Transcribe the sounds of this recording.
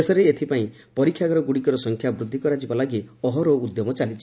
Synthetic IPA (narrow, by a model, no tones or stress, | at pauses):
esɔɾeet̪ʰipaĩ | pɔɾikʰjaɡɔɾɔɡuɽikɔɾɔsɔŋkʰjabɾud̪ʱːikɔɾad͡ʒibɔlaɡiɔɦɔɾɔud̪jɔmɔt͡ʃalit͡ʃʰi